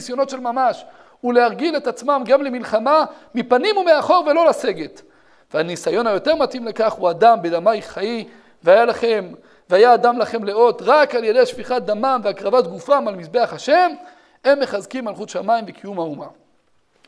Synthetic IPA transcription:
sjo̞no̞t̪ʃe̞lmamaʃ | huleaʁɡile̞t̪at͡smamɡamlemilχamamipanimumeaχo̞ʁve̞lo̞lase̞ɡet̪ | veanisajo̞najo̞te̞ʁmat̪imlekaχuad̪ambed̪amajχai | veajalaχem | veajaːdamlaχe̞mleo̞t̪ʁakalje̞d̪eʃviχat̚d̪amamveakʁavat̪ɡufamalmisbe̞aχhaʃe̞m | emːe̞χazkimːalχut̪ʃamaimbekʰijumhauma

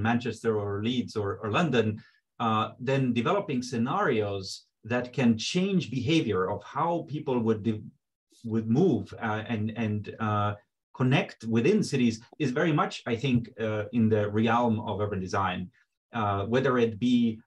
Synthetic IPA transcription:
mæ̃nt͡ʃɛstə˞ə˞lidzə˞ə˞lʌ̃ndɨ̃n | ðɨ̃ndɨvɛləpɪ̃ŋsɨnæɹioʊz | ðɨt̚kʰɨ̃nt͡ʃʰẽɪ̃nd͡ʒbɨɦeɪvjə˞ʌv̥haʊpʰipl̩ˠwʊd̚ | wʊd̚muvɨ̃nɨ̃n | kʰɔnɛktwɪðɪ̃nsɪɾizɨzvɛɹimʌt͡ʃaɪθɪ̃ŋkɪ̃nðɨɹiɛlˠmʌ̰vɛvɨ̃dɨzãɪ̃n | wɛðə˞ɪt̚b̥i

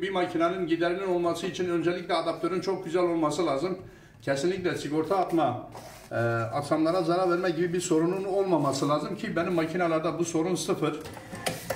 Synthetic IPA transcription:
bimacʰinanɯnɟid̪ɛɾinino̞lˠmasɯit͡ʃʰinø̞nd͡ʒɛlʲiclʲɛad̪ap̚t̪ʰø̞ɾynt͡ʃʰo̞k̚ɟyzælʲo̞lˠmasɯlˠaːzɯm | cʰɛsinlʲicʲlʲɛsiko̞ɾt̪ʰaːt̪ma | aksamlˠaɾazaɾaɾvɛɾmɛɟibibiɾso̞ɾununo̞lˠmamasɯlˠaːzɯmcʰibɛnimːacʰinalˠaɾd̪abuso̞ɾunsɯfɯɾ

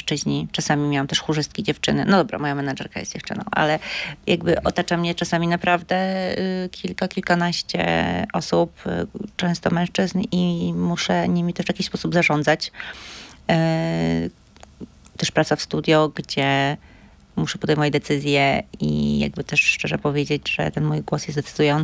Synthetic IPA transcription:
ʂt͡ʂɘʑɲit͡ʂasamʲimʲjawamt̪ɛʂxuʐɘst̪̚kʲid͡ʑɛft͡ʂɘnɘnɔd̪ɔbɾa̰mɔjamɛnad͡ʐɛɾkajɛ̰t̪d͡ʑɛft͡ʂɘ̰nɔ̰̃w̃ʔa̰lɛjaɡbɘʔɔt̪at͡ʂamɲɛt͡ʂasamʲinapɾavd̪ɛkʲilkakʲilkanaɕt͡ɕɛ̰ʔɔsupt͡ʂɛ̃w̃st̪ɔmɛ̃ʂt͡ʂɘznimuʂɛɲimʲit̪ɛʂvjakʲiɕspɔsubzaʐɔnd̪zat͡ɕ | t̪ɛʂpɾat̪safst̪ud̪ʲjɔɡd͡ʑɛ | muʂɛpɔd̪ɛjmuvad͡ʑd̪ɛt̪sɘzʲjɛḭja̰ɡ̚bɘt̪ɛʂʂt͡ʂɛʐɛpɔvʲjed͡ʑed͡ʑʐɛ̰t̪ɛnmujɡwɔsjɛst̪d̪ɛt̪sɘd̪ujɔn

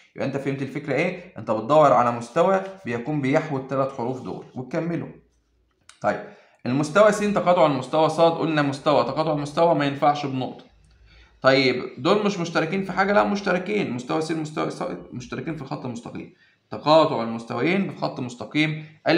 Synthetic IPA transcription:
jebʔæʔent̪æfæhemt̪ilfekɾæʔeːʔent̪æbet̪̚d̪ˤɑwːɑɾˤʕalæmost̪æwæbejækuːmbejeħwot̪ːælæt̪ħoɾuːfd̪o̰ːæ̰lwʔet̪kæmːelo̰ | t̪ˤɑjːeb̚ | ʔelmost̪æwæsiːnt̪ɑqɑːt̪ˤoʕalælmost̪æwæsˤɑːt̪ʔṵːlnæmost̪æwæʔt̪ˤɑqɑːt̪ˤoʕalmost̪æwæmæjenfaʕʃbnoʔt̪ˤɑ̥ | t̪ˤɑjːebd̪oːlmeʃmoʃt̪ɑɾˤɑkiːnfiħaːɡælæʔmoʃt̪æɾˤɑkiːnelmost̪æwæsiːnmost̪æwæ̰sæ̰moʃt̪æɾɑkiːnfilxɑt̪ːˤʔelmost̪ɑqḭːm | t̪ɑqɑːt̪ˤoʕalmost̪æwæjeːnbelxɑt̪ˤːmost̪ɑqiːmʔæ

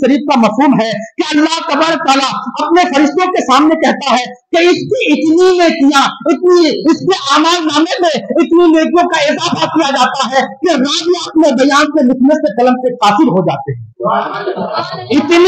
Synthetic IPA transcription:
ʃɐɾiːfkamɐfɦuːmɦɛkeɐlːaɦt̪ɐbaːɾək̚t̪aːlaɐpnefɐɾɪʃt̪õkesaːmnekɛɦt̪aɦɛ | keɪskiɪt̪ninekijaɪt̪niɪskeʔaːmaːlnaːmemẽɪt̪nineːkjõkaɪzaːfakijad͡ʒaːt̪aɦɛkeɾaːd͡ʒiaːt̪mẽbɐjaːnsemɪt̪ʰnəskekɐlə̃mkekaːsɪɾɦod͡ʒa̰ːt̪eɦɛ̃ | ɪt̪n

